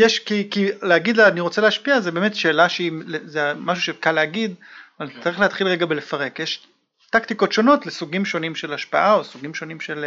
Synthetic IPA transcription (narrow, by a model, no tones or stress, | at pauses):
jeʃkikileaɡid̪laaniʁo̞t͡selehaʃpiazebeːmetʃeːlaʃeilezemaʃ̬uʃekaleaɡid̪valt͡sːaʁiχleat̪χilʁeɡabelefaʁe̞kjeʃ | taktikotʃo̞no̞tlesuɡimʃo̞nimʃe̞laʃpaʔao̞suɡimʃo̞nimʃel